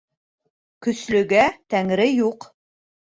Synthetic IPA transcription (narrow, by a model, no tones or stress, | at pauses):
kɵ̆slɵ̆ɡæt̪æŋɾɘjuq